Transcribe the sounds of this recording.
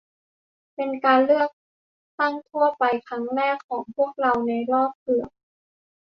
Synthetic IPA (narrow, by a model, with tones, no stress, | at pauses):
pe˧nkaː˧nlɯ˥˩ək̚ | t̪a˥˩ŋt̪ʰu˥˩əpa˧jkʰɾa˦˥ŋɾɛː˥˩kʰːɔː˩˦ŋpʰu˥˩ək̚ɾa˧wna˧jɾɔː˥˩p̚kɯ˨˩əŋ